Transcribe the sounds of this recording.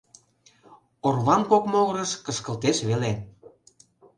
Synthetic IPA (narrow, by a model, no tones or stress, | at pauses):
orβɑnkokmoɣɤɾə̆ʃkəʃkəlt̪eʃβele